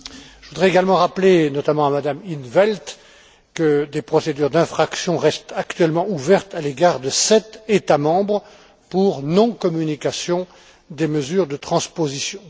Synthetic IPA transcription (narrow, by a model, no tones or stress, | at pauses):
ʒəvud̪ʁɛeɡalmɑ̃ʁaplenɔt̪amɑ̃amad̪aminvɛlt̪ | kəd̪epχɔsed̪yʁd̪ɛ̃fχaksjɔ̃ʁɛst̪akt̪ɥɛlmɑ̃uvɛʁt̪aleɡaʁd̪əsɛt̪et̪amɑ̃bʁə | puʁnɔ̃kɔmynikasjɔ̃ | d̪eməzyːʁd̪ət̪χɑ̃spozisjɔ̃